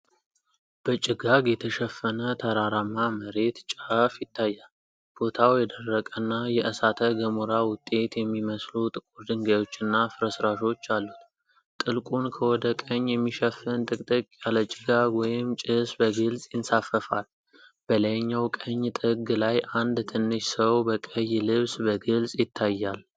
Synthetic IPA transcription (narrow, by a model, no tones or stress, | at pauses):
b̥ət͡ʃʼɪɡaɡjɛt̪ʰəʃɛfːənət̪ʰəɾaɾamaməɾe̞t̪t͡ʃʼafjɪt̪ʰːajːal | b̥o̞t̪ʰawjɛd̪ərːəkʼənːajɛʔəsat̪ʰəɡəmuɾawʊt̪ʼːe̞t̪jɛmːiməslut̪ʼɨkʼuɾd̪ɨŋɡajo̞t͡ʃːɨnːafɨɾəsɾaʃo̞t͡ʃːalːut̪ | t̪ʼɨlkʼunkʰəwɔd̪əkʼəɲːjɛmːiʃəfːɨnt̪ʼɨkʼt̪ʼɨkʼjalət͡ʃʼɪɡawɔjɪmt͡ʃʼɪsbəɡɨlsʼjɪnsafːəfa̰l | b̥ələjɲːawkʼəɲːt̪ʼɨɡlajʔand̪t̪ʰɨnːɨʃsəwbəkʼəjːlɨβsbəɡɨlsʼjɪt̪ʰːajːal